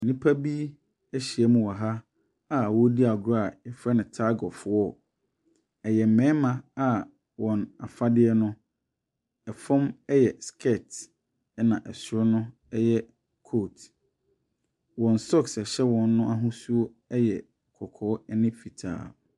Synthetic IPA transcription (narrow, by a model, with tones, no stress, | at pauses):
nĩ˦pʰa˦bi˦ | ɛ˦ɕi˨ɛ˦mũ˨wɔ˨ɦa˦ | a˦˨wɔ˦di˦a˨ɡɾa˨ɛ˨fɾɛ˦nɪ̃˨tʰa˦ɡɔ˨fʊ˦ɔ˦˨ | ɛ˨jɛ˨m̩˨mɛ̃˦mã˨a˦ | wɔ̃˨na˨fa˦dɪ˦ɛ˦nʊ̃˦ | ɛ˨fɔ̃˦mɛ˦jɛ˨skʰɛ˦˨t | ɛ˦nã˨ʔɛ˨sʊ˦ɾɔ˦nʊ̃˦ | ɛ˦jɛ˦ | kʰo˦˨t | wɔ̃˨n˨sɔ˦˨ksɛ˨ɕɛ˦wɔ̃˨nː˦ʊ̃˦a˦ɦʊ̃˦su˦o˦ | ɛ˦jɛ˨ | kʰɔ˨kʰɔː˨˦ɛ˦nɪ̃˦fi˨tʰa̰ː˨